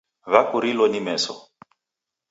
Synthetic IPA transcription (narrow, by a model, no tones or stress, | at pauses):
βakuɾilɔnimɛːsɔ